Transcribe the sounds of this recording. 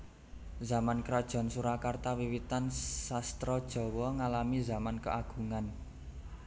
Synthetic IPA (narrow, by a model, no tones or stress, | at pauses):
za̤mankɾad̥ʒ̥ɔ̤nsuɾakart̪awiwit̪ansast̪ɾɔd̥ʒ̥ɔ̤wɔŋalamizamankəʔaɡ̥ṳŋan